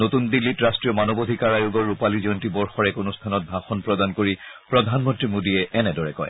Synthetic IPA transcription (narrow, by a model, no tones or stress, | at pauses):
notundilːitɹastɹijɔmanɔbodʱikaɹajoɡɔɹupalizɔntibɔɹxɔɹɛkonust̪ʰanɔt̚bʱaxɔnpɹɔdankoɹipɹɔdʱanmɔntɹimodiɛɛnɛdɔɹɛkɔ̰j